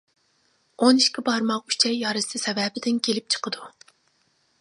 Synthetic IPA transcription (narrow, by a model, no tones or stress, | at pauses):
oniʃkʲɪbɑɾmɑqy̥t͡ʃʰɛjːɑɾɨsɨsɛvɛbɪd̪ɪnkʲʰelɪp̚t͡ʃʰə̥qəd̪u